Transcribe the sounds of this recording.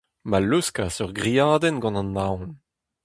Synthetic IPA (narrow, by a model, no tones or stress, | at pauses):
maluskasœʁɡʁiaːdɛnɡɑ̃nɑ̃nːawn